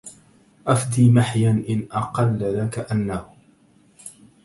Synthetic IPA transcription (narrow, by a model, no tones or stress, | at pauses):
ʔafd̪iːmaħjanʔɪnʔɑqɑlːðakaʔanːah